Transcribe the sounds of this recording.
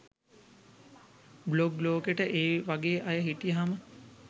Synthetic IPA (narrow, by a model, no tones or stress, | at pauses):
bloɡloːkeʈəʔeːʋaɡeːʔajəɦiʈijəɦamə